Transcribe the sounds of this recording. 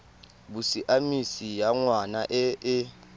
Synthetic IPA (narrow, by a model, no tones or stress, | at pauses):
ɓusiʔamisijaŋwanaʔɛɛ